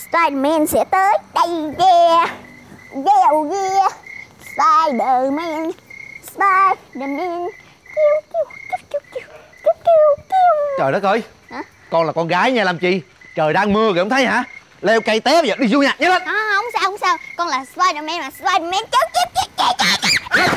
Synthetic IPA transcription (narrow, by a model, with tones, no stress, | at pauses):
spaː˧jɗə˨˩mɛ˧nsɛ̰˧˥t̪əː˨˦jɗə˧jvɛ˧ | zɛ˧wɣi˧spaː˧jɗəː˨˩mɛ˧nspa˧jɗə˨˩mɛ˧n | ki˧wki˧wkə˧˦˥ki˧˥ki˧w | ki˧˦˥ki˧wki˧wt͡ɕəː˨˩ɾə˨˦˥t̚ʔəː˧˩j | ha˨˦ | kɔ˧nlaː˨˩kɔ˧nɣaː˨˦jɲaː˧laː˨˩mt͡ɕḭ˧˨ | t͡ɕəː˨˩jɗaː˧ŋmɨ˧əɣŋ͡mt̪ʰə˦jha̰ː˧˥ | lɛ˧wka˧jt̪ɛ˦˥˨əː˨˩ɗi˧zu˧ɲaː˨˩ɲa˨˦lə˧˩nʔaː˨˧˩hə˧wŋ͡msaː˧ho˧wŋ͡msaː˧wkɔ˧nlaː˨˩spaː˧jɗəː˨˩mɛ˧nmaː˨˩spaː˧jɗə˨˩mɛ˧nt͡ɕə˦˥wki˦˥i˧˦˥t͡ɕa˧˦jt͡ɕa˧˥a˧˩˨